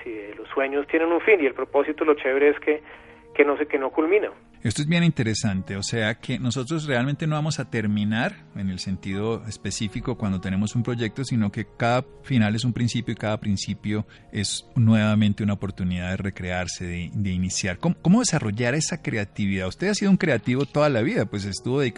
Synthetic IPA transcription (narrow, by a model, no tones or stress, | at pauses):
siðelosːwe̞ɲost̪jenenuɱfinielpɾopo̞sit̪olot͡ʃeβɾeeske | kenosekenokulmĩna | e̞st̪oe̞zbjenint̪e̞ɾe̞sant̪e̞ose̞akʰe̞no̞so̞t̪ɾos̬re̞almẽnt̪e̞no̞βamo̞sat̪e̞ɾmĩnaɾ | e̞ne̞lse̞nt̪iðo̞espe̞sifiko̞kwand̪ot̪e̞ne̞mo̞sumpɾo̞ʝe̞k̚t̪o̞sino̞ke̞kaða | finale̞s̬umpɾinsipjo̞ikaðapɾinsipjo̞ | e̞snwe̞βamẽnt̪eunaopo̞ɾt̪uniðaðere̞kɾe̞aɾse̞ðed̪e̞inisjaɾkomoko̞moðe̞saro̞ʝaɾe̞sakɾe̞at̪iβiðaust̪e̞ðasiðouŋkɾe̞at̪iβo̞t̪o̞ðalaβiðapwe̞s̬est̪uβoei